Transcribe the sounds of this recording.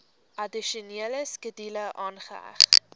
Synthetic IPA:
ʔɐdiʃuniələskədiləʔɑːnχə̰æ̰χ

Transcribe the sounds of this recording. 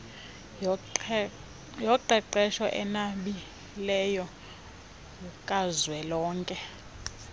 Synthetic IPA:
jɔǃɛǃɛʃɔʔɛnaɓi | lɛjɔ | jukʼazwɛlɔːŋkʼɛ

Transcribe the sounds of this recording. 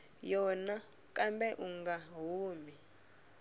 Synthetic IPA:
jɔna | kʼambɛʔuŋɡaɦuːmi

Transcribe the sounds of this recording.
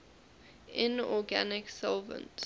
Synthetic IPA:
ɪ̃nɔɡanɪksɔlvə̰̃nt

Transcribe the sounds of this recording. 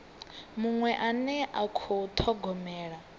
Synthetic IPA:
muŋwɛʔanɛʔakʰɔt̪ʰɔɡɔmɛːɺa

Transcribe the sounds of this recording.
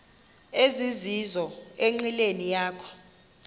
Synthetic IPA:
ezizizɔeŋ͡ǀilenijaːkʰɔ̥

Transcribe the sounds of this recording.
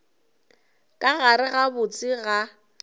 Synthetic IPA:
kʼaɣaɾɪɣabʊt͡sʼɪɣa

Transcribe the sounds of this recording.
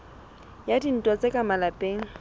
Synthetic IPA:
jadin̩tʼɔt͡sʼekʼamalapʼeːŋ̩

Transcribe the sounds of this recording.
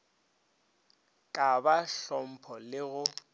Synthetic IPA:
kʼabaɬɔm̩pʰɔlɪɣʊ

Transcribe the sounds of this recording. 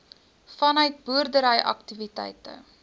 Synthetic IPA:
fɐnœɥt̚buərdəɾəjʔɐ̰ktivitɛ̰jtə̰

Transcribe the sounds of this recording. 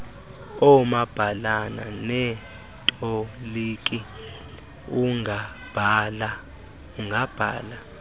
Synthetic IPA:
ɔmab̥ʱalana̰nɛ | tʼɔliːkʼi | uŋʱa | b̥ʱala | uŋɡʱab̥ʱa̰ːla

